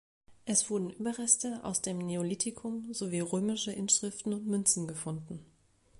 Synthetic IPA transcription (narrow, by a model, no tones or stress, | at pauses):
ʔɛsv̥ʊɐdn̩ʔyːbɐʁɛstəʔa̰ʊsd̥eːmneolitʰɪkʰʊmzoviːʁøːmɪʃəʔɪnʃʁ̥ɪftn̩ʊntmʏnt͡sn̩ɡəfʊndn̩